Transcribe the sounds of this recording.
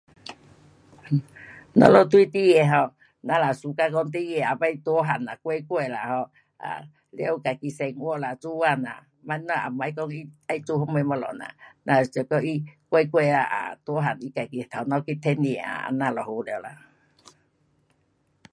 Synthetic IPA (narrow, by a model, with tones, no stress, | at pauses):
nɔ̰˧lo˧˨t̪wi˦t̪i˦jɛ˧˨ɦɔ˧ | na˧la˨su˨ka˧kɔ˧˦ŋt̪̬i˦˧jɛ˧˨a˨pa˧˦i˧t̪wɔ˦ɦa˨na˨kwe˧˦kwe˧˨la˨hɔ˧ | a̰˨ | la˧˦wka˨ki˧˨sɛ˧ŋwɔ˧˦ʔla˨t͡su˦a˧˨na̰˨ | ma˧˦nɔ˧˨a̰˨ma˧i˦kɔ˧ŋi˦a˧i˦t͡su˧˦ho˧˦me˧˦mɔ˧lɔ̰˨na̰˨na˧˨t͡sə˨kɔ˧ʔi˦kʷe˧˦kwɛ˧a˧ʔa̰˨t̪wɔ˧˦ɦa˨ni˦ka˨ki˧˨t̪ʰa˨nɔ˧ki˦˧t̪ʰɛ˦n˧e˨a̰˨a̰˨na˧lɔ˨ho˧lla̰˨